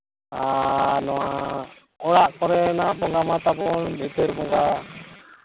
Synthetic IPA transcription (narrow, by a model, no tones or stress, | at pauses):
anɔwa | ɔɽaʔkɔɾɛnabɔŋɡamat̪abɔnlit̪ɛɾbɔŋɡa